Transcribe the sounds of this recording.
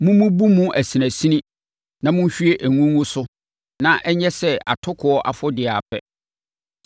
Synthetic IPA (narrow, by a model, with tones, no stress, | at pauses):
mũ˦mũ˦bu˦mũ˦ʔæ˨si˨næ̃˨si˦nĩ˦ | nã˨mʊ̃˦n˦ɕᶣɥe˦ʔæ˨ŋũ˦ŋũ˦sʊ˦ | nã˨ʔɛ˦ɲɛ̃˦sɛ˦a̰˨tʰʊ˦kʰʊ˨ɔ˦ʔa˨fɔ˦dɪ˨a˨pʰɛ̰˦